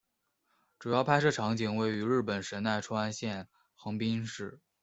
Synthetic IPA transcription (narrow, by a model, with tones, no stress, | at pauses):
ʈ͡ʂu˨˩jɑ˥˧ʊpʰa˥ɪʂɤ˥˩ʈ͡ʂʰɑ˧˥ŋt͡ɕi˨˩ŋwe˧˥˩ɪy˧˥ɻɻ̩˥˩pə˨˩nʂə˧˥na˥˩ɪʈ͡ʂʰu˥a˥nɕjɛ˥˩n | xɤ˧˥ŋpi˥nʂɻ̩˥˩